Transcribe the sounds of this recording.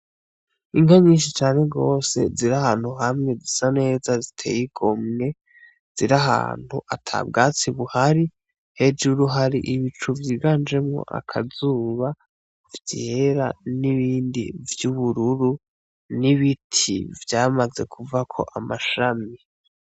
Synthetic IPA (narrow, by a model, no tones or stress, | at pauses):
iŋaɲiːnʃit͡ʃaːne̞ɡo̞ːse̞̰ziɾahaːn̥huɦamŋe̞zisane̞ːzazitʰe̞̰jiɡomŋe̞ | z̥iɾaɦa̰ːn̥huʔatʰa̰b̚ɡaːt͡siβuhaɾi | he̞d͡ʒuɾuɦaɾiʔiβit͡ʃuvjiːɡaːnd͡ʒe̞mŋo̰ʔa̰kʰa̰zuːβa | vjeɾa̰niβiːndḭvjuβuɾuɾu | niβitʰḭvjaːmaze̞kʰuvakʰo̞̰ʔamaʃami